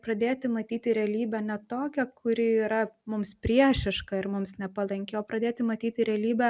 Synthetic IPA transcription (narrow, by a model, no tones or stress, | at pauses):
pɾɐd̪ʲeːt̪ʲɪmɐt̪ʲiːt̪ʲɪɾʲɛɐlʲiːbʲɛnʲɛt̪oːkʲɛkʰʊɾʲiiːɾɐmʊmspʲɾʲiɛʃʲɪʃkɐɪɾmʊmsnʲɛpɐlˠɐŋʲkʲeoːpɾɐd̪ʲeːt̪ʲɪmɐt̪ʲiːt̪ʲɪɾʲɛɐlʲiːbʲɛ